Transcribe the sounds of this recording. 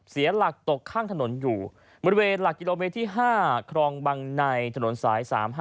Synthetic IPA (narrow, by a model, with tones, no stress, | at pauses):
si˩˦ɐla˨˩k̚t̪o˨˩kʰːaː˥˩ŋt̪ʰa˧no˩˦njuː˨˩ | bɔ˧ɾi˧weː˧nla˨˩kːi˧loː˧meː˧˥t̪ʰːiː˥˩ɦaː˥˩kʰɾɔː˧ŋba˧ŋna˧jt̪ʰa˧no˩˦nsaː˩˦jsa̰ː˩˦mɦ